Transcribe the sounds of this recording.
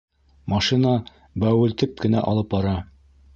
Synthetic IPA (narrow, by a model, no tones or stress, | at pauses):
mɑʃinɑ | bæwɘ̆lt̪ɘp̚kɘ̆næ̰ʔɑ̰lˠɤp̚bɑɾɑ